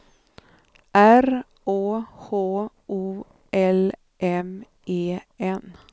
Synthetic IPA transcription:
ʔæɾ | ʔoːhoː | ʔuː | ʔɛl | ʔɛm | ʔeːɛn

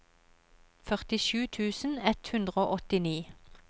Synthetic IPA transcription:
fœʁt̪ɪʃʉːt̪ʰʉːsn̩ɛt̪hʉnd̪ʁəoːʔɔt̪ɪniː

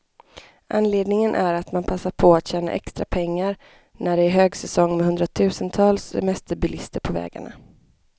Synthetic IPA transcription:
ʔanleːd̪nɪŋənʔæɾat̪manpʰasːaɾpʰɔat̪ɕɛːna̰ʔɛkst̪ɾa̰pʰɛŋːaɾ | næɖɛæɾɦøːɡsɛsɔŋːmɛhɵnd̪ɾat̪ʰʉ̟ːsənt̪ʰɑːlssɛ̰mɛst̪əɾbʏlɪst̪əɾpʰɔvɛ̰ːɡa̰ɳa̰

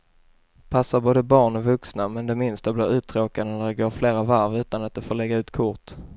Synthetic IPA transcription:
pʰasːaɾboːd̪əbɑːɳɔvɵksnamɛnd̪ɛmɪnst̪ablɪːɾʉ̟ːt̪ʰɾoːkad̪ənæɖɛɡoːɾfleːɾavaɾvʉ̟ːt̪anat̪̚d̪ɛfoːɭɛɡːaʉ̟ːt̪kʰʊɾt̪

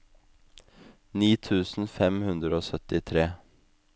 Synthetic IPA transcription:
niːt̪ʰʉːsn̩fɛmhʉnd̪ɾəoːsœt̪ɪt̪ʰɾeː

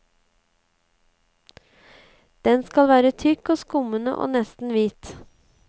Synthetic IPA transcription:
d̪̥ɛnskɑlʋæːɾət̪ʰʏkoːskʊmənə̰ʔo̰ːnɛst̪n̩ʋiːt̪

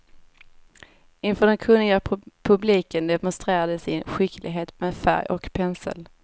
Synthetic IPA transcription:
ɪnfœːɖɛnkʰɵnlɪɡapʰɵbliːkənd̪ɛmɔnst̪ɾeːɾad̪əsɪnɧɪklɪ̰ɡɦeːt̪meːd̪fæ̰ɾjɔ̰kpʰɛnsə̰l

